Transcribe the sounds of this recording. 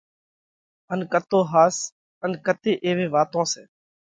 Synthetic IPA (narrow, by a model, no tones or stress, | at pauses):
ənkət̪oːɦaːs | ənkət̪eːʔeːʋẽːʋaːt̪õːseː